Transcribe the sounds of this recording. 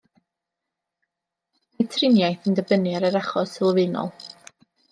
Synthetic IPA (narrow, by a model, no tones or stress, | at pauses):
majtʰrɪnjajθəndəbənɨaɾəɾaχɔsɪlˠvɪnɔ̰lˠ